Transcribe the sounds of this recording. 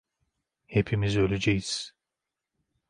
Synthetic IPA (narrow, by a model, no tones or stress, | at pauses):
hepʰimizø̞lʲed͡ʒejiz̥